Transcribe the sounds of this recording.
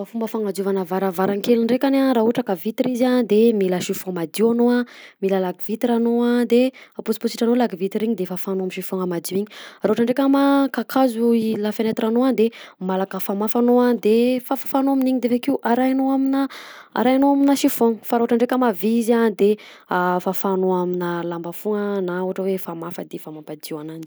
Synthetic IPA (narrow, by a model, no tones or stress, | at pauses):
afumbəfaŋad͡zuvanəvaɾavaɾaŋkeliɳɖ͡ʐekanaɾaɦuʈ͡ʂakavit̪iɾiziand̪emiləaʃifɔmad̪iwanoamiləlaɡivit̪iɾanoad̪eapusi̥pusiʈ͡ʂanolaɡivit̪iɾiɲid̪efafanoamiʃifɔŋamad̪iiɲiɾaɦoʈ͡ʂaɳɖ͡ʐekʲamakakʰazuilafanet̪iranoand̪emalakəfamafanoad̪efafafanoaminiɲid̪evekiuʔaɾajanoaminəa̰ɾajanoaminaʃifɔŋəfaɾaɦoʈ͡ʂaɳɖ͡ʐekʲəmavizand̪e | afafanoaminəlambafuŋənauaʈ͡ʂəwefamafəd̪efamampad̪iwanani